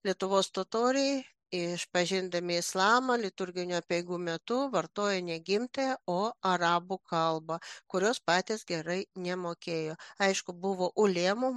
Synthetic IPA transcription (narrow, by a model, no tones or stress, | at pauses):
lʲiɛt̪ʊʋoːst̪ot̪oːɾʲɪ | ɪʃpɐʒʲɪnd̪ɐmʲɪɪslˠɑːmɐlʲɪt̪ʊɾʲɡʲɪnʲʊɐpʲɛɪɡuːmʲɛt̪ʊʋɐrt̪oːjɛnʲɛɡʲɪmt̪ɐjɛoːɐɾɑːbʊkɐlˠbɐkʊɾʲoːspɑːt̪ʲeːsɡʲɛɾɐɪnʲɛmoːkʲeːjoːɐɪʃkʊbʊʋoːʔʊlʲeːmʊ